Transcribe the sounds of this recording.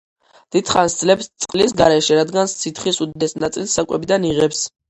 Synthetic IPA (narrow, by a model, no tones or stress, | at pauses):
d̪̥id̪̥χansd̪zlɛpst̪sʼqʼlisɡaɾɛʃɛɾad̪ɡanst̪sʰit̪ʰχisud̪id̪ɛsnat̪sʼilsːakʼwɛbid̪aniʁɛps